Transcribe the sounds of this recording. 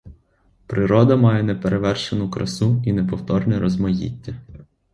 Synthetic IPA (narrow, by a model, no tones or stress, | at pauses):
pɾɪɾɔd̪ɐmɑjɛnɛpeɾeʋɛrʃenʊkɾɐ̰suinɛpɔwt̪ɔrnʲɛɾʔɔzmɐjḭt̪ʲːɐ